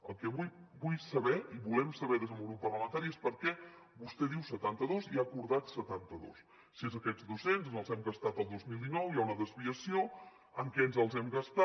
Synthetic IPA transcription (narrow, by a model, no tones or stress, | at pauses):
əlˠkɛβujbujsəβɛiβulɛmsəβɛðezðəmɡɾupːərləmənt̪aɾiespəɾkɛ | βust̪ɛðiwsət̪ant̪əðoziakuɾðat̪sət̪ant̪əðo̰s | siezəkɛd͡zd̪usenzənəlˠzɛmɡəst̪at̪əlˠd̪ozmilˠd̪inɔwjaunəðəzβiəsio | əŋkɛnzəlˠzɛmɡəst̪a